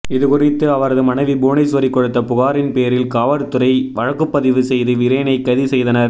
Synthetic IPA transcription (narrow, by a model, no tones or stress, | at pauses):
ɪðɯkʊrɪt̪ːɯɐʋɐɾɐðɯmɐnɐɪʋibuːnɐɪsʋɐɾɪkːɔɽɯt̪ːɐpʊɣaːɾɪnpeːɐɾɪlkaːʋɐɾt̪ːɯɾɐɪʋɐɻɐkːɯpːɐðɪʋɯsɛjðɯʋɪɾɐːnɐɪkːɐðisɛjðɐnɐɾ